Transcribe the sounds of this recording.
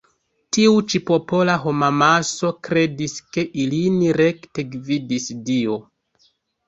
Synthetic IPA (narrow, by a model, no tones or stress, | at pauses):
tiut͡ʃipo̞po̞laɦo̞mamaso̞kɾe̞diske̞ʔiliniɾe̞kte̞ɡvidisdio̞